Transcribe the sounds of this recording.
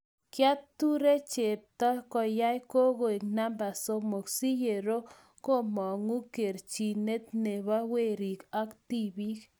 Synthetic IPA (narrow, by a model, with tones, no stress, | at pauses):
kja˦ttːu˦ɾe˦t͡ʃe˨p̚tɔ˦kɔ˨ja˦jko˦ɣo˨e˨ŋna˦mba˨so˦mo˨ksi˦je˨ɾo˦ | ko˦mɔ˨ŋu˦ke˨ɾt͡ʃi˨ne˦t̪ne˨βa˦we˦˨ɾi˨ka˦kti˦˨bi˦k